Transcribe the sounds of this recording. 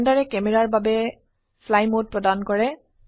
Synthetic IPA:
ndaɹɛkɛmɛɹaɹbabɛ | fʰlajmod̚pɹɔdankɔɹɛ

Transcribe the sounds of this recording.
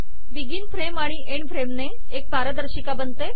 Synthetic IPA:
biɡiːnfɾemaɽ̃iʔeɳfʰɾemneː | k̚bʱaɾəd̪əɾɕikabənt̪e

